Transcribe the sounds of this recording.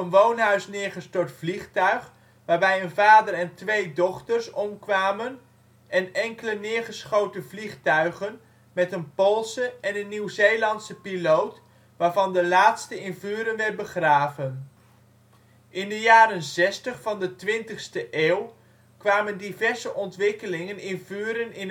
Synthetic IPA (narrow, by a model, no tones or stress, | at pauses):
ənʋownɦœɥsnɪːɹχəstʊːɹtfliχtœɥχ | ʋaːɹbɛjənvaːdərɛntʋejdɔχtəɹsɔmkʋaːmən | ʔɛnɛŋkələnɪːɹχəsχowtəvliχtœɥχən | mɛtənpolˠsəɛnənːiwzejlɑntsəpilowt | ʋaːɹvɑndəlaːtstəɪnvyːɾənʋɛɹ̚bəχraːvən | ʔɪndəjaːɾənzɛstəχfɑndətʋɪntəχstəʔeːw | kʋaːməndivɛɹzəʔɔntʋɪkəlɪŋənɪnvyːɾənɪn